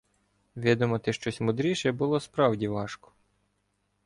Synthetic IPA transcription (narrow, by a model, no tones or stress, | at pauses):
ʋʲid̪ɔmɐt̪ɪʃt͡ʃɔsʲmʊd̪ɾʲiʃɛbʊlˠɔspɾɑwdʲiʋɑʃkɔ̥